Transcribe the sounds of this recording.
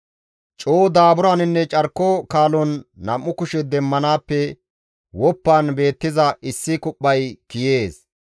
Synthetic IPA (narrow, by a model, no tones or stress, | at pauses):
t͡ʃʼoːd̪aːbʊɾaːnɪnːɛt͡ʃʼɐɾkːɔkaːlɔnːɐmːʊkʊʃɛd̪ɛmːɐnaːpːɛ | wɔpːaːnbe̞ːt̪ːɪzɐʔɪsːɪkʊpʼːɐjkɪje̞ːs